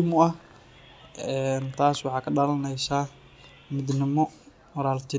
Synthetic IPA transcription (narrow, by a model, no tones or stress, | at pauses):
mʊɐh | ʔɛːnt̪ʰaːswɑħɑːkʰɐɖɐlɐnɛjsaː | mɪd̪nɪmɔ | wɐɾaːlt̪ʰɪ